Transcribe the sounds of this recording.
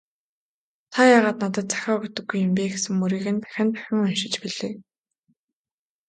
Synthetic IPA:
t̪ʰajaːʁaːt̪nat̪ə̆t̪̚t͡sæ̥xʲɔːɡet̪ɵ̆ɡːujːʊ̆mpʲeːɡesɘ̆ŋmuɾiːɣɘ̆np̪æ̥xʲɪ̆nt̪æ̥xʲɪ̆ŋɵnʃɪ̆t͡ɕpiɮeː

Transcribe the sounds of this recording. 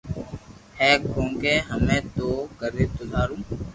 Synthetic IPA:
hɛːkõːŋɡẽːɦəmẽːt̪oːkəɾeːt̪od̪ʱaːɾũː

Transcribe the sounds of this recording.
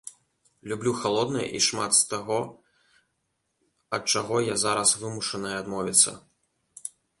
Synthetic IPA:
lʲublʲuxalˠɔd̪nɐjɐ̰ʔiʂmat̪st̪aɣɔ | ɐt̪̚t͡ʂaɣɔjazaɾɐsvɨmuʂɐnɐjɛad̪mɔvʲit̪sːɐ̰

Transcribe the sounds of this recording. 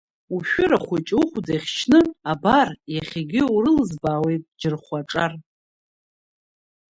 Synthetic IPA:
uʃᶣʊɾaχʷat͡ʃʼuχʷudajχʲt͡ʃʰnɨabarjaχʲiɡʲɪurɨlzbaːwejtʼd͡ʒɪrχʷaʈ͡ʂʼar

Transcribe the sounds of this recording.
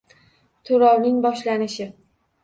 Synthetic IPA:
t̪ʰʊɾɒwnɪŋbɒʃlanɪʃɪ

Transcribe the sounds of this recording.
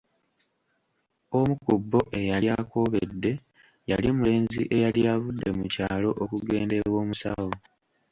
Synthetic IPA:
o̞mukubːo̞ʔe̞jalako̞βedːe̞ | jalimule̞ːnzḭʔe̞jaljaβudːe̞mucaːlo̞ʔokuɡe̞ːnde̞βwo̞ːmusawo

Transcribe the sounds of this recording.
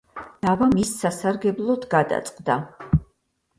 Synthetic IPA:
d̪̥avamisːasaɾɡɛblˠɔd̪ɡad̪a̰t̪sʼqʼd̪a

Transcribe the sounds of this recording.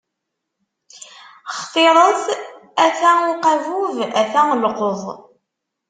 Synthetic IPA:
χθˤeɾˤəθæθæʊqævuvæθæəlqoðˤ

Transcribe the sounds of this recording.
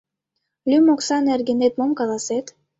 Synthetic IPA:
lʲymoksɑnerɡʲenet̪̚momkalˠaset̪

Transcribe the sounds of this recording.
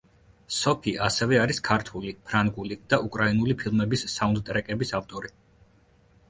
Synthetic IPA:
sɔpʰiʔasɛvɛaɾiskʰaɾt̪ʰulipʰɾaŋɡulid̪̥aʔukʼɾainulipʰilˠmɛbisːaund̪̚t̪ʼɾɛkʼɛbisaft̪ʼɔɾi

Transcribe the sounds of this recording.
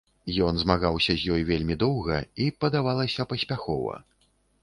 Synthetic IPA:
jɔnzmaɣawsʲɐzʲjɔjvʲelʲmʲid̪ɔwɣɐipɐd̪avalˠɐsʲɐpɐsʲpʲaxɔ̰vɐ̰

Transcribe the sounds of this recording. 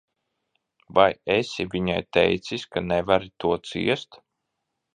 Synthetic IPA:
vajesʲivʲiɲajt̪ɛ̰jt̪siskanɛvaɾit̪uɔt̪sḭɛst̪

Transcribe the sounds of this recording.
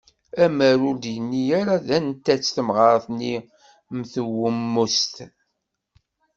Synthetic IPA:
æmæɾʊɾd̪jənːijaɾaðænt̪ːæt͡sːθəmʁəɾˤθni | mθəwəmːust̪

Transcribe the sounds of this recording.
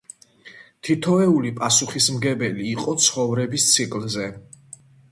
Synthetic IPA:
t̪ʰit̪ʰɔɛulipʼasuχismɡɛbɛliːqʼɔt̪sʰχɔvɾɛbist̪sʰikʼlzɛ

